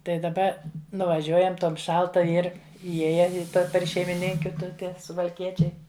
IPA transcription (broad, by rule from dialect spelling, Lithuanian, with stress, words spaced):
tɐɪ dɐˈbɐ nʊʋɐˈʒʲuɔjɛm ˈtoːm ˈʃɐlˠtɐ ˈɪr iːˈjeːjɛ ɪ ˈpʲɛr ʃʲɛɪmʲɪˈnʲɪŋʲkʲʊ ˈtʊ ˈtʲɛn sʊʋɐlʲˈkʲiɛt͡ʃʲɛɪ